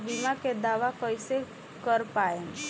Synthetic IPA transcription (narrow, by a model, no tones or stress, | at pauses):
bimaked̪aːʋakəjse | kəɾpaen